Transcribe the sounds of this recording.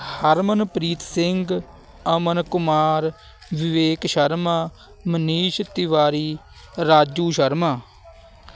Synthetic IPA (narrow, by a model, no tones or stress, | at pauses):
həɾmənpɾiːt̪sɪŋɡ | əmənkʊmaːɾ | ʋɪʋeːkʃəɾmaː | məniːʃt̪ɪʋaːɾiː | ɾaːd͡ʒuːʃəɾmaː